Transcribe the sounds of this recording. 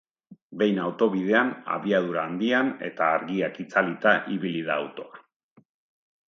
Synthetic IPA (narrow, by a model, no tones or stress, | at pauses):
be̞jnawt̪o̞βið̞e̞ana̰βiað̞uɾaːnd̪iane̞̰t̪aːɾɣiakit͡salit̪aʔiβilið̞aːwt̪o̞a